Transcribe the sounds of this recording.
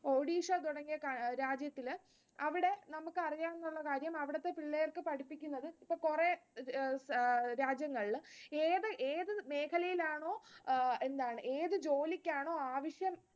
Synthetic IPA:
o̞ːɽiːʂɐt̪uɽɐŋːijɐkɐɾaːd͡ʑjɐt̪ːil | ɐʋiɽe̞nɐmukːɨɐrijaːnenːuɭːɐkaːɾjɐmɐʋiɽɐt̪ːe̞piɭːejɐrkɨpɐɽipːikʲːunːɐðɨipːoːɭkure | ɾaːd͡ʑjɐŋːɐɭileːðɨʔeːðɨme̞ːkʰɐlɐjilaːɳo̞ːe̞nd̪aːɳɨʔe̞ːðɨd͡ʑo̞ːlikʲːaːɳo̞ːaːʋɐʂjɐm

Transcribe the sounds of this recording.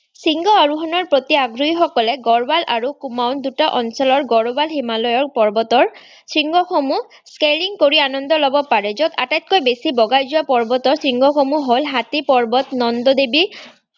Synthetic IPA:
siŋɡɔaɹuxɔnɔɹpɹot̪iaɡɹuixɔkɔlɛɡɔɹbalʔaɹukumawndutaʔɔnsɔlɔɹɡɔɹɔbalximalɔjɔɹpɔɹbɔtɔɹ | sɹiŋɡʱɔxomu | skeliŋkoɹianɔndɔlɔbɔpaɹɛzɔka̰tajt̚kojbesibɔɡajzuwapɔɹbɔtɔɹsɹiŋɡʱɔxomuɦolɦatipɔɹbɔtnɔndɔd̪ebi

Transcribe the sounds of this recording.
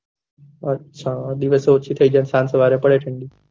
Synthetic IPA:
ətːɕʰad̪iʋəseot͡ʃʰit̪ʰəid͡ʒansãnsəʋaɾepəɽeʈʰəɳɖi

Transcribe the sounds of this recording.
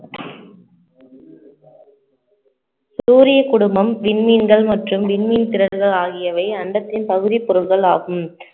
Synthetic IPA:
suːɾɪjɐkʊɽʊmbɐmʋɪɳminɡɐɭmɐʈrɯmʋɪɳmint̪ɪɾɐɾɣɐɭaːɣɪjɐʋɐɪɐɳɖɐt̪ːɪnpɐɣɯðɪpːɔɾɯɭɣɐɭaːɣɯm

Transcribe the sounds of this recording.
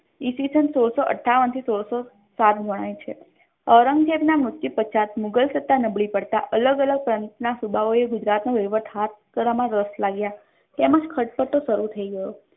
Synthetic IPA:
isisənsoɭsoʔə̰ʈʰːaʋənt̪ʰisoɽso | sat̪ɡʱəɽ̃ajt͡ʃʰe | ɔɾəŋɡd͡ʒebnamʊsipət͡ʃʰat̪mʊɡəlsət̪ːanəbɭipəɽt̪a̰ʔələɡələɡ̚pɾənt̪nasubʱaʋoeɡʊd͡ʒɾat̪noʋeʋət̪ʰɦat̪̚kəɾʋamãɾəslaɡja | t̪eməd͡ʒkʰəʈ̚pəʈ̪osəɾut̪ʰəiɡəjo

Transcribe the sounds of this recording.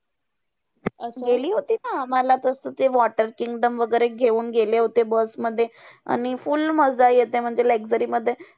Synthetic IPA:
əsɡeliːɦot̪iːnaːm̤alat̪əsət̪eʋɔʈəɾkiŋɡɖəmʋəɡəɾeɡʱeuːnɡʱeleɦot̪ebəsməd̪ʱːjea̰ɽ̃ifulməd͡zajet̪em̤əɳd͡zelekd͡zəɾiːməd̪ʱːje

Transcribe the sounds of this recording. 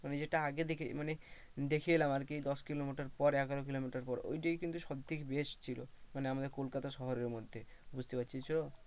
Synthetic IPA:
maned͡ʑeʈaaɡed̪ekʰimane | d̪ekʰielamaɾkid̪ɔskilomiʈaɾpɔɾɛɡaɾokilomiʈaɾpɔɾo̰jʈijkint̪uʃɔd̪ʱːikbeʃt͡ɕʰilo̰maneamad̪eɾkolkat̪aʃɔɦoɾeɾmod̪ʱːebud͡ʑʱt̪epatːt͡ɕʰit͡ɕʰɔo

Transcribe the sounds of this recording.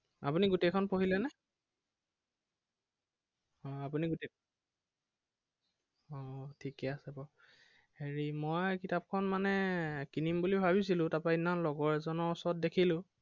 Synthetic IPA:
a̰puniɡutekʰɔnpoɦilɛnɛ | ɔapuniɡute | ɔtʰikɛasɛbɔ | heɹimɔjkitap̚kʰɔnmanɛkinimbulibʱaβis̬ilʊ̃tapainanlɔɡɔɹɛzɔnɔɔsɔɔt̚dekʰilʊ̃

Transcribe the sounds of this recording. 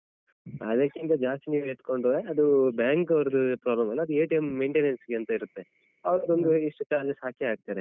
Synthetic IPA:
ɐd̪ɐkːint̪ɐd͡ʒaːst̪iniːʋueʈ̪koɳɖoːeɐd̪ubjaːŋkɐʋɐɾɐd̪upɾaːblɐmɐlːɐɐd̪ueːʈijemːeːɳʈenensɡeɐnt̪ɐiɾut̪ːe̞ | ɐʋɐɾɐd̪ond̪uiʂʈut͡ʃaːɾd͡ʒɐsaːkjiaːɡ̚t̪aːɾe

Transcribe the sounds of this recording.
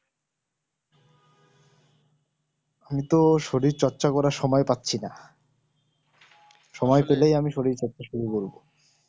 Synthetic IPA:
amit̪oʃoɾiɾt͡ɕɔɾːɕakɔɾaɾʃɔmɔepat̪ːɕʰina | ʃɔmɔepelejamiʃoɽiɾt͡ɕɔtːɕaʃuɾukoɾbo

